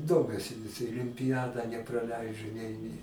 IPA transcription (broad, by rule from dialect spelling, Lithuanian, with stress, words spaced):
ˈdoːmʲuɔsʲɪ ʋʲɪs ɪlʲɪmʲpʲɪˈjæːdɑː nʲɛprɐˈlʲɛɪd͡ʒʊ nʲɛɪ nʲɛɪ